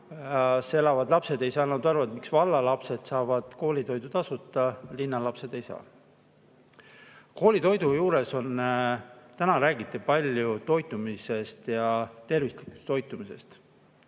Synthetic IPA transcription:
se̞lɑvɑd̪lɑpse̞d̪e̞jsɑːnɑd̪ɑrvɑd̪miksvɑlːɑlɑpse̞d̪̥sɑːvɑd̪̥ko̞ːlʲit̪o̞jd̪ut̪ɑsut̪ːˑɑlinːɑlɑpse̞d̪̥e̞jsɑ̰ː | ko̞ːlit̪o̞jd̪ujuːɾe̞so̞n | t̪ænɑɾæːɡit̪ːˑipɑlʲjut̪o̞jt̪ːˑumise̞st̪jɑt̪e̞rvislikːˑu̥st̪o̞jt̪ːˑumise̞̰st̪

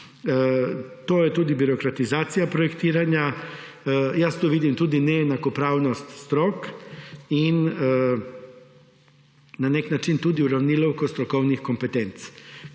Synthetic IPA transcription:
t̪oːjɛt̪uːd̪ibiɾokɾat̪izaːt̪sijapɾɔjɛkt̪iːɾanja | jast̪uːʋiːd̪imt̪uːd̪inɛjɛnakɔpɾaːwnɔst̪st̪ɾoːk | in | anɛknat͡ʃint̪uːd̪iuɾawnilɔwkɔst̪ɾɔkɔwnixkompɛt̪ɛnt̪s

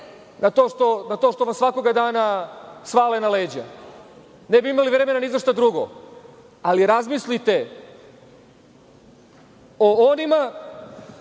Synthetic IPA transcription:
nat̪oːʃt̪o̞nat̪o̞ːʃt̪o̞ʋamsʋako̞ɡad̪aːnasʋaːlenale̞ːd͡ʑa | ne̞biimaliʋɾe̞me̞nanizʋoʃt̪ad̪ɾuɡo̰ | aliɾazmislit̪e̞ | oonima

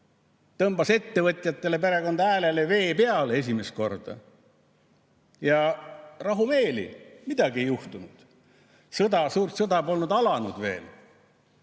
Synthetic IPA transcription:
t̪ɤmbɑse̞t̪ːe̞vɤt̪ʲˑjɑt̪ːe̞le̞p̬e̞ɾe̞ko̞nd̪ɑæːle̞leve̞ːpe̞ɑle̞s̬ʲime̞sko̞rd̪̥ɑ̰ | jɑrɑɦume̞ːlḭmid̪̥ɑɡiejuht̪unud̪̥ | sɤd̪ɑsuːrt̪sɤd̪ɑbo̞lnud̪ɑlɑnud̪̥ve̞̰ːl

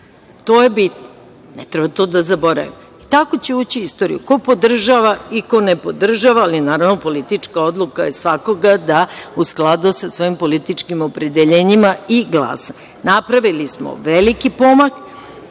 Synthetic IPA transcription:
t̪o̞ːjebit̪no | net̪ɾɛbat̪o̞d̪azabo̞ɾa̰ʋḭm | it̪ako̞t͡ɕeuːt͡ɕiist̪o̞ɾḭjṵko̞po̞d̪r̩ʒaʋaiko̞nepo̞d̪r̩ʒaʋaːlinaːɾaʋno̞po̞lit̪it͡ʃkao̞d̪lˠukajesʋako̞ɡad̪ausklˠad̪usasʋo̞impo̞lit̪it͡ʃkimo̞pɾed̪eʎe̞ːɲimaiɡlˠa̰ːsa | napɾaʋilismo̰ʋelikipo̞mak

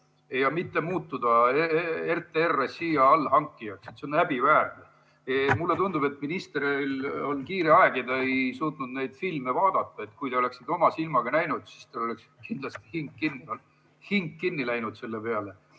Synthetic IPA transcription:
ejɑmit̪ːe̞muːt̪ːud̪̥ɑeert̪ːˑeerːesiːjɑɑlːhɑŋkːˑijɑkset̪seonæb̥ivæːrne | emulːe̞t̪und̪ub̥e̞t̪ːˑminist̪eɾilo̞lkiːɾeɑeɡid̪ɑejsuːt̪ˑnud̪nejd̪̥filmevɑːd̪̥ɑt̪ːɑe̞t̪kujt̪e̞ole̞ksi̥t̪o̞mɑsilmɑɡ̥ɑnæjnud̪̥sist̪elo̞le̞ksi̥t̪kind̪lɑst̪i̥hiŋkːinːiol | hiŋkːinːilæjnud̪̥se̞lːepe̞ɑle̞

